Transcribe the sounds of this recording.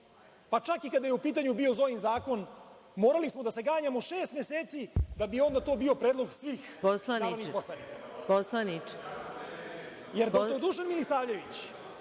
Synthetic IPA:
pat͡ʂakikad̪ajeupiːt̪̬aɲubiozo̞jinzaːko̞n | moːɾalismod̪ase̞ɡaːɲamoʃeːst̪meseːt̪sid̪abio̞nd̪at̪o̞ːbio̞pɾeːd̪lˠo̞ɡsʋiːxposlanaianiposlˠanika | poslanit͡ʃ | jeɾod̪uːʒanmilisaːʋʎe̞ʋit͡ɕ

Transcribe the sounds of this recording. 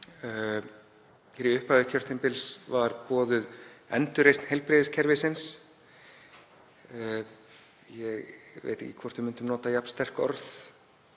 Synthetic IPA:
fɛɾɪʏhpaðʏcʰœr̥t̪ɪmpɪlsvaɾpɔːðʏðɛnt̪ʏɾejst̪nhejlpɾɪːðɪscʰɛɾvɪsɪns | jɛɣvḛjt̪ɛ̰cːɪkʰvɔr̥t̪vʏɪmʏnt̪ʏmnɔːt̪ajapnst̪ɛr̥kɔ̰ɾθ

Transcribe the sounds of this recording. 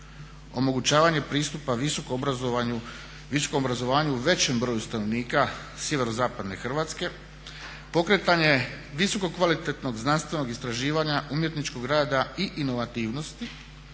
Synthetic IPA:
o̞mo̞ɡut͡ɕaːʋaɲe̞pɾiːst̪upaʋiso̞kobɾzo | ʋiso̥komobɾazo̞ʋaːɲuuʋe̞t͡ɕe̞mbɾo̞ːjust̪anoʋniːka | sje̞ʋe̞ɾozaːpad̪ne̞xr̩ʋaːt̪ske̞ | po̞kɾe̞t̪aɲe̞ | ʋiso̞ko̞kʋalit̪et̪no̞ɡznanst̪ʋe̞no̞ɡist̪ɾaʒiːʋaɲaʔumje̞t̪nit͡ʃko̞ɡɾaːd̪aiʔino̞ʋat̪iːʋno̞st̪i

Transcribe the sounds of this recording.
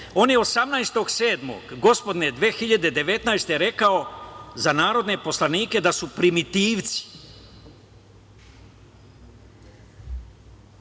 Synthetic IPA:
o̞ːnjeo̞samnajst̪o̞ɡseːd̪mo̰ɡɡo̞spo̞d̪ned̪ʋeːxiʎad̪e̞d̪e̞ʋe̞t̪najst̪e̞ɾe̞kao̞zanaːɾo̞d̪ne̞po̞slaniːke̞d̪asupɾimit̪iːʋt̪si̥

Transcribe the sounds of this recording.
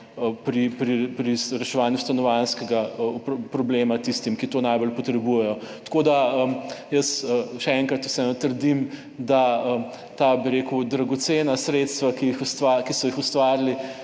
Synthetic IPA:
pɾipɾipɾisɾɛʃɛʋaːnjust̪anɔʋanskɛɡapɾɔblemat̪ist̪imkit̪oːnajbolpɔt̪ɾɛbujɛjɔt̪kod̪aəjəsəʃɛɛŋkɾɐt̪u̥sɛnɔt̪əɾd̪im | d̪aə | t̪aːbiɾeːkud̪ɾaɡɔt̪senasɾeːt̪st̪ʋakijixust̪akisɔjixust̪ʋaːɾli

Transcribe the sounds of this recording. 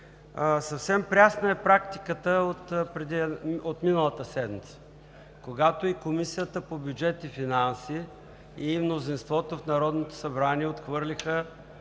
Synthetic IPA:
sɐfsɛmpɾʲasnəɛpɾakt̪i̥kət̪əot̪pɾɛd̪iot̪minəlˠət̪əsɛd̪mit̪sə̥ | koɡat̪oikomisijət̪əpobʲjud͡ʒɛt̪ifinansiː | mnozinst̪vɔt̪ofnɐɾɔd̪not̪o̥sɐbɾaniɛot̪xvɤɾlʲixə

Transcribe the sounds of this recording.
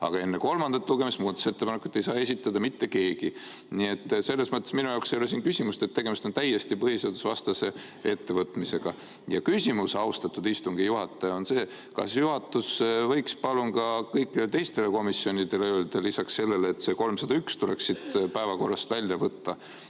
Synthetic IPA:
ɑ̰ɡ̥ɑe̞nːe̞ko̞lmɑnd̪̥ɑt̪ːˑluɡ̥e̞mismuːdt̪ɑ̥se̞t̪ːepɑneku̥t̪ːˑejsɑːe̞s̬ʲit̪ːˑɑd̪̥ɑmit̪ːe̞ke̞ːɡ̥i | nie̞t̪ːse̞lːe̞smɤt̪ːˑe̞sminujɑwksejoles̬iːnkysʲimust̪et̪ːe̞ɡ̥e̞mist̪ot̪æjːe̞st̪ipɤɦise̞d̪usvɑst̪ɑse̞ | e̞t̪ːe̞vɤt̪ˑmise̞ɡ̥ɑ | jɑkysʲimusɑust̪ɑt̪ːˑud̪ist̪uŋɡ̥ijuɦɑt̪ːˑɑjɑo̞nse̞ː | kɑ̰sjuɦɑt̪ːˑusvɤjkspɑlunkɑkɤjkːˑid̪et̪e̞jst̪e̞le̞ko̞misio̞nʲid̪̥e̞leøld̪̥ɑlːisɑksːe̞lːe̞leːt̪se̞ːko̞lmsɑd̪ɑykst̪ule̞ksit̪pæevɑko̞rːɑst̪vælʲjɑvɤt̪ːɑ

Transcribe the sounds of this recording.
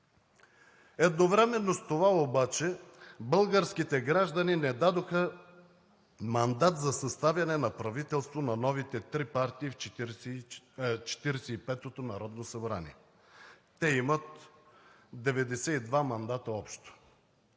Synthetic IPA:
ɛd̪novɾɛmɛnːost̪ovaobat͡ʃɛbəlˠɡəɾsk̟it̪ɛɡɾaʒd̪ɐninɛd̪ad̪oxə | mɐnd̪at̪zɐsɐst̪avjɐnɛnɐpɾɐvit̪ɛlˠst̪vonɐnɔvit̪ɛt̪ɾipaɾt̪iːf | t͡ʃɛ̥t̪iɾɛsɛipɛt̪ot̪onɐɾɔd̪nosɐbɾa̰nḭɛ | t̪ɛimət̪ | d̪ɛvɛd̪ɛsɛid̪vamɐnd̪at̪əɔpʃt̪o̥

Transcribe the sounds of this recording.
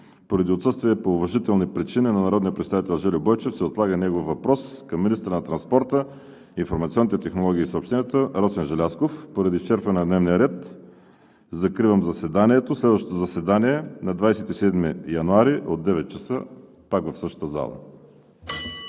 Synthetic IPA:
poɾɐd̪iot̪sɤst̪viɛpoːvɐʒit̪ɛlˠnipɾit͡ʃininɐnɐɾɔd̪nijəpɾɛt̪sait̪ɛlˠʒɛlibɔjt͡ʃɛfsɛot̪lˠaɡənɛɡofːɐpɾɔskɐmːinist̪əɾnɐt̪ɾɐnspɔɾt̪əː | nfoɾmɐt̪siɔnːit̪ɛt̪ɛxnolˠɔɡʲiːsopʃt̪ɛnʲjət̪əɾɔsɛnʒɛlʲaskofpoɾɐd̪it͡ʃɛɾfənɐd̪nɛvnijəɾɛt̪ | zɐkɾivəmzɐsɛd̪aniɛt̪oslɛd̪vəʃt̪ot̪ozɐsɛd̪aniɛnɐd̪vajsɛt̪isɛd̪mijɐnuaɾiʔo̰d̪ːɛvɛt̪̚t͡ʃəsə̰ | pakvɐfsɤʃt̪t̪əza̰lˠə̰

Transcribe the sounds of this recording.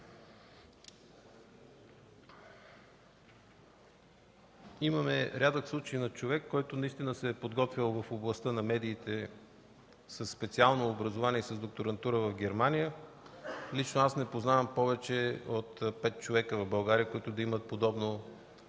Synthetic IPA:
iməmɛɾʲad̪əkslˠut͡ʃəjnɐt͡ʃovɛkːɔjt̪ʊnɐist̪inəsɛːpod̪ɡɔt̪vʲəlˠvɐfoblˠɐst̪ənɐmɛd̪iːt̪ɛ | səsːpɛt̪sialˠnoːbɾɐzoʊvaniɛisəzd̪ok̚t̪oɾɐnt̪uɾəvɐfɡʲɛɾmanʲijə | lit͡ʃnoasnɛpoznavəmpɔvɛt͡ʃɛot̪pɛt̪̚t͡ʃovɛkəvɐvbɐlˠɡaɾijəkʊit̪ʊd̪ɐimət̪̚pod̪ɔbno

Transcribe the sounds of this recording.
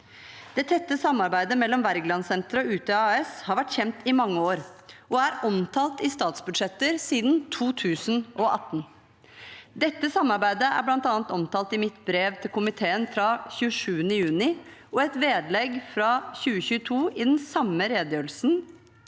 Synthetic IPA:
d̪̥ɛt̪ʰɛt̪ːəsɑmːɑɾbæɪd̪əmɛlːɔmʋæɾɡlɑnsɛnt̪ɾɔʉːt̪əɑːɛshɑɾʋæʈːçɛmt̪ɪmɑŋːəoːɾʔɔæɾɔmt̪ʰɑːlt̪ɪst̪ɑːt̪sbʉd̪ʂɛt̪ːəɾsiːd̪nt̪ʰuːt̪ʰʉːsənʔɔʔɑt̪ːn | d̪ɛt̪ːəsɑmːɑɾbæɪd̪əæ̰ɾblɑnt̪ɑːnt̪ɔmt̪ʰɑːlt̪ɪmɪt̪bɾeːʋt̪ʰɪlkʰʊmɪt̪ʰeːənfɾɑçʉːəʂʉːənəjʉːnɪɔɛt̪ʋeːd̪lɛɡfɾɑçʉːəçʉːət̪ʰuːʔɪd̪ɛnsɑmːəɾeːd̪jøːl̩sn̩

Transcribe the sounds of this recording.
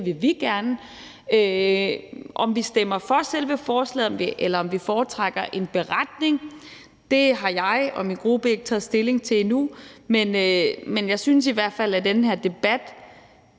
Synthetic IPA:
ʋe̝ʋiɡ̥æɐnə | ø | ʔɒ̽mʋisd̥emɐfɒ̽selʋəfɒːslɛ̰ːð̩ˠɒmiʔelɐɒ̽mʋifɒːt͡sʰʁaɡ̥ɐʔe̝nb̥e̝ʁad̥ne̝ŋ | d̥e̝ɦɑ̈jɑ̈ɪɒ̽minɡ̥ʁub̥əe̝ɡ̥ə̥t͡sʰɛ̰ːðˠsd̥e̝le̝ŋt͡sʰe̝numenømenjɑ̈ɪsyns̬iʋæɐ̰d̥fæl̰æd̥enəɦeɐd̥e̝b̥æd̥

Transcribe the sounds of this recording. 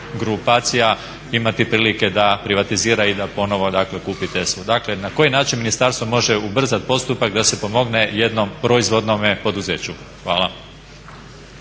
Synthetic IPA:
ɡɾupaːt̪sija | imat̪ipɾiːlike̞d̪apɾiʋat̪iziːɾaid̪apo̞no̞ʋo̞d̪akle̞kuːpit̪e̞sʋud̪akle̞nako̞jinaːt͡ʃinminist̪aɾst̪ʋo̞mo̞ʒe̞ubr̩zat̪̚po̞st̪upakd̪ase̞po̞mo̞ɡne̞je̞d̪no̞mpɾo̞izʋo̞d̪no̞mepo̞d̪uze̞ːt͡ɕu | xʋaːlˠa

